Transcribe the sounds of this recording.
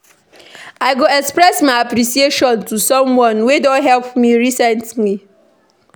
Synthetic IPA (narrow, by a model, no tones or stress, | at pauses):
aɪɡoɛkspɹɛsmaɪapɾisieʃɔ̃ntusɔ̃mwɔ̃nwedɔ̃nɦɛlpmiɹisɛ̃ntli